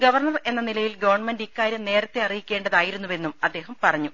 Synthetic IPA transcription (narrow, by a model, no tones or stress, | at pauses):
ɡɐʋɐrɳɐre̞nːɐnilɐjilɡɐʋɐrɳmendikːaːɾjɐmne̞ːɾɐt̪ːeɐrijikʲːe̞ːɳɖɐðaːjiɾunːuʋe̞nːumɐd̪ːe̞ːɦɐmpɐrɐɲːu